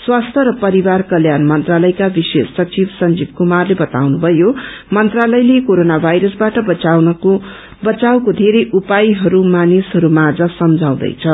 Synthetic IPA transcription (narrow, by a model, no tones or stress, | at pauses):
swast̪ʰʌɾʌpʌɾibarkʌljanmʌnt̪ralʌjkabisesːʌt͡sibsʌnd͡zib̚kumarlebʌt̪awnubʱʌjomʌnt̪ralʌjlekoɾonabʱajɾʌsbaʈʌbʌnʌ | bʌt͡sawkod̪ʱeɾʌjʔupajɦʌɾumanisɦʌɾumad͡zʌsʌmd͡zʱaw̃d̪ʌ̰jt͡sʰʌ